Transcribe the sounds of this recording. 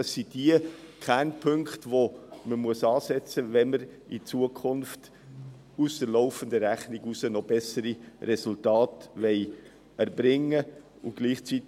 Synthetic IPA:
ɑsːid̥iəkʰænpʰɵŋkχtvoməmuəsɑːsɛt͡səvɛnməɾit͡suəkʰʊnft | ʊsd̥əɾlɔʊfəndəɾæχniɡusənɔb̥ɛsəɾiɾɛsʊltɑːtvɛɪ | ɛɾbɾɪŋːə | ʊɡ̥liːχt͡sit

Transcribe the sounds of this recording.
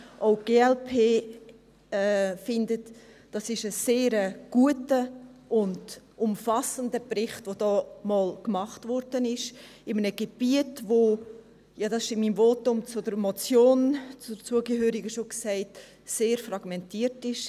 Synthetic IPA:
ʔoʊɡ̥eːɛlpʰeː | ɛfɪndət | d̥ɑsɪʃəseːɾəɡ̥uətəʔʊndʊmfɑsəndəbrɪχtʋodɔːmɑːlkmɑχtvɔɾd̥ənɪʃ | ɪmənəɡeb̥iətʋo | jɑdɑsɪʃɪmiːmvoːtʊmt͡sʊdəɾmɔt͡sjoːnt͡sʊt͡suəɡəɦøːɾɪɡəʃoksæɪt | seːɾfrɑɡ̥mɛntiːtɪʃ

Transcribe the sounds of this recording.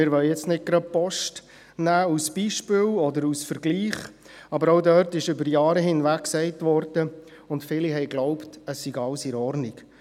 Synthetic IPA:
ɪɾʋœljɛt͡stnɪt̚ɡ̥ɾɑd̚pɔʃt | næːusb̥iːʃpɪlɔdəɾusfəɾɡliːχ | ɑbəɾɔʊdœɾtɪʃʏbəɾjɑːɾəɦɪnʋækːsɛɪtʋɔɾd̥ə | ʊntfɪliɦɛɪɡlɔʊptəsːiɡɑlsiɾɔɾniɡ

